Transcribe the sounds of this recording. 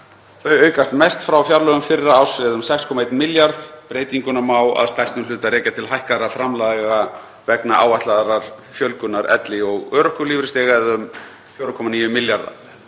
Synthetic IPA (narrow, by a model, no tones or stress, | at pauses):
θœɥœːɥkast̪mɛjst̪fɾawfjaɾlœɣʏmfɪɾɪɾaːwsvɛðʏmsɛkskʰɔmaejt̪mɪljaɾðpɾeːjt̪iŋkʏnamaːwa̰ðst̪ajst̪nʏmlʏːt̪aɾɛːcat̪ʰɪlɦajhkaðɾafɾamlaðɣa | vɛknaʔaːwaht̪laðɾaɾ̥fjœlkʏnːaɾʔɛ̰t̪lɪɔɣœːɾʏhkʏliːvɾɪst̪ɛːɣaðʏm | fjowɾʏkʰɔmaniːjʏmɪljaɾða̰